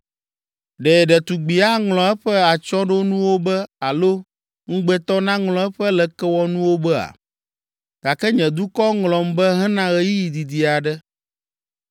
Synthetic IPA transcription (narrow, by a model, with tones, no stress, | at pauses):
ɖɛ˨ɖɛ˨t̪u˨ɡ͡bi˨a˦ŋlɔ̃˨ɛ˦ɸɛ˦a˨t͡ʃɔ˦ɖo˦nũ˦wo˦bɛ˦a˨lo˦ | ŋ̩̃˦ɡ͡bɛ˦t̪ɔ˦nã˦ŋlɔ̃˨ɛ˦ɸɛ˦lɛ˨kɛ˦wɔ˦nũ˦wo˦bɛ˦a̰˨ | ɡ̥a˨kɛ˦ɲɛ̃˨d̪u˦kɔ˦ŋlɔ̃˨mbɛ˦ɦɛ̃˦nã˦ɣɛ˦ji˦ji˨d̪i˨d̪i˨a˨ɖɛ˦